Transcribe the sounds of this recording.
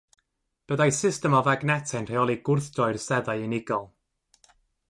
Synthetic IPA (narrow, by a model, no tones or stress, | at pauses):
b̥əðajsɪstɛmɔvaɡnɛtʰɛnr̥ejɔlˠiɡʊrθd̥ɔɨrsɛðaɨɨnɪɡɔlˠ